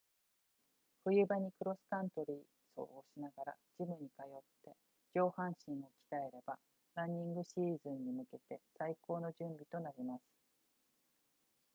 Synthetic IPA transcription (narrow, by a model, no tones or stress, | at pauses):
ɸɯ̟jɯ̟baɲ̟ikɯ̟ɾo̞sɨ̥kãnt̪o̞ɾʲiː | so̞̰ːoɕinaɡaɾa̰ | d͡ʑimɯ̟ɲ̟ikajo̞t̪ːe̞ | d͡ʑo̞ːhãɰ̃ɕĩɰ̃o̞kʲi̥t̪ae̞ɾe̞ba | ɾãɲ̟ːĩŋɡɯ̟ɕiːzɨ̃ɲ̟ːimɯ̟ke̞t̪e̞saiko̞ːno̞ʑɨ̃mbʲit̪o̞naɾʲimasɨ̥